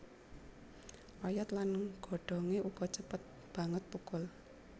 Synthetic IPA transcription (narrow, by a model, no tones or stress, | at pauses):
ʔɔjɔt̪lanɡ̥ɔ̤ɖ̥ɔ̤ŋeʔuɡ̥ɔt͡ʃəpət̪̚ | b̥ä̤ŋət̪̚pukʊl